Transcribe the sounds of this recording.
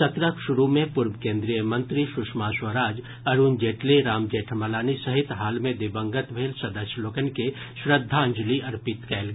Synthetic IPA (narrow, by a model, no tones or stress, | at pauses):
sɐt̪ɾəkʃʊɾumẽpʊɾbkẽːnd̪ɾijəmə̃nt̪ɾiʃʊʃmaswəɾaːd͡ʒ | ɐɾuːnd͡ʒeːʈleɾaːmd͡ʒeːʈʰmɐlaːnisɐɦɪt̪ɦaːlmẽd̪ɪbə̃ŋɡət̪bʱeːlsɐd̪əsjloːkənke | ʃɾəd̪ʱːaə̃ɲd͡ʒliɐɾpɪt̪kɛːlɡ